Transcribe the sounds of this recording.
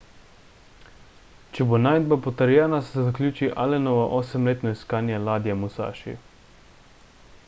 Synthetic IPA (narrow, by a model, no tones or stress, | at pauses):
t͡ʃɛbonajd̪̚bapɔt̪əɾjɛːnasɛzaklʲuːt͡ʃiʔalɛnɔʋaʔoːsɛmleːt̪nɔiskaːnjalaːd̪jamusa̰ːʃḭ